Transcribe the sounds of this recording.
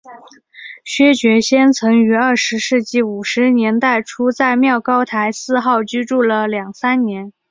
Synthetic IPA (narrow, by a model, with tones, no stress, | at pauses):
ɕɥɛ˥t͡ɕɥɛ˧˥ɕjɛ˥nt͡sʰɤ˧˥ŋy˧˥ɐ˞˥˩ʂɻ̩˧˥ʂɻ̩˥˧t͡ɕi˥˩u˨˩ʂɻ̩˧˥njɛ˧˥nt̪a˥˩ɪʈ͡ʂʰu˥t͡sa˥˧ɪmjɑ˥˩ʊkɑ˥ʊt̪ʰa˧˥ɪsɹ̩˥˧xɑ˥˩ʊt͡ɕy˥ʈ͡ʂu˥˩lə˩ljɑ˨˩ŋsa˥nnjɛ˧˥n